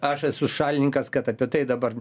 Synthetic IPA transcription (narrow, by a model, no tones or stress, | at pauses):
ɐʃɐsʊʃɑːlʲɪnʲɪŋkɐskɐt̪ɐpʲɛt̪ɐɪd̪ɐbɐr